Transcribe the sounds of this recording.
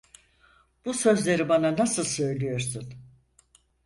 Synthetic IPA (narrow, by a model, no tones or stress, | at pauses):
b̥usø̞zlʲe̞ɾibananasɯlˠsø̞jlʲijo̞ɾsun